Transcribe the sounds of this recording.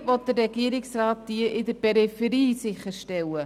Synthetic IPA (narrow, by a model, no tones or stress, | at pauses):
vɔt̚dərːɛɡiːəɾɪksraːt̚d̥iəʔɪdəɾpɛɾifɛɾiːsɪxəɾʃtɛwə